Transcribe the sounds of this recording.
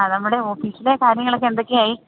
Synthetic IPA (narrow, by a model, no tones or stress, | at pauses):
nɐmːuɽe̞o̞ːfiːsilekaːɾjɐŋːɐɭokːend̪okʲːɨaːji